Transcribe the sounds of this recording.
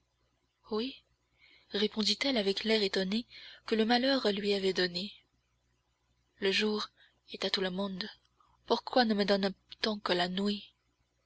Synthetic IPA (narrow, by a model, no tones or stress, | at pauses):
wi | ʁepɔ̃d̪it̪ɛlavɛklɛʁet̪ɔnekələmalœʁlɥiavɛd̪ɔne | ləʒuːʁ | ɛt̪at̪uləmɔ̃d̪ | puʁkwanəməd̪ɔnt̪ɑ̃kəlanwi